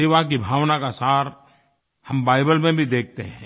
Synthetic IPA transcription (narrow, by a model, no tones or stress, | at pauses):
eːʋak̬ibʱaːʋnakasaːɾ | hɐmbaːɪbəlmẽbʱid̪eːk̚ʰt̪eɦɛ̃ː